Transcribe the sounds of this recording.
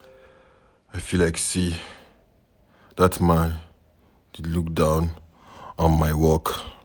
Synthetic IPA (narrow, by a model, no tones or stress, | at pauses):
aɪfilaɪksi | datmãn | dluk̚dãʊ̃n | ɔ̃nmaɪwɔk